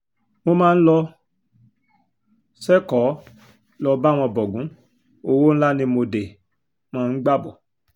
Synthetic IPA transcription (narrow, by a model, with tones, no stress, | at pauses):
mo˧mãː˦n̩˦lɔ˧ | sɛ˦kɔ˨˦ | lɔ˧ba˦˨w̃ɔ̃˧bɔ˨ɡũ˨˦ | o˧wo˦ñ̩˦la˦nĩ˧mo˧de˨ | m̃ɔ̃˦˧˦n̩˦ɡ͡ba˦bɔ˨